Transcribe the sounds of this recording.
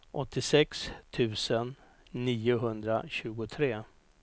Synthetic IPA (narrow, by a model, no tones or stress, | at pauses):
ʔɔt̪ːɪsɛkst̪ʰʉ̟ːsənː | iːʊɦɵnd̪ɾa̰ɕʉ̟ːɡʊt̪ʰɾeː